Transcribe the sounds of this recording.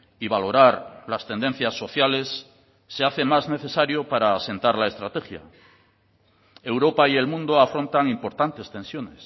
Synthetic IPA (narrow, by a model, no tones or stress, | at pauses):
iβalo̞ɾaɾlast̪e̞nd̪e̞n̟θjasːo̞θjale̞sː | eaθe̞mazne̞θe̞saɾjopaɾaːse̞nt̪aɾlae̞st̪ɾat̪e̞xja̰ | ewɾo̞paie̞lmũnd̪oafɾo̞nt̪aŋimpo̞ɾt̪ant̪e̞st̪e̞nsjo̞nes